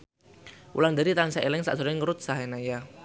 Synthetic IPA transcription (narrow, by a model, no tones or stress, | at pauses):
ṵlaŋd̪aɾit̪ansaʔelɪŋsa̰ʔsɔɾɪŋəɾʊt̪̚saɦenaja